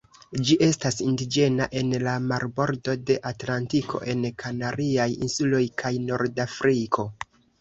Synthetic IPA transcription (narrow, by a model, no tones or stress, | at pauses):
d͡ʒiʔe̞stasindid͡ʒe̞naʔe̞nlamaɾbo̞ɾdo̞de̞ʔatlantikʰo̞̰ʔe̞nkʰanaɾiajḭnsulo̞jkʰajno̞ɾdafɾikʰo̞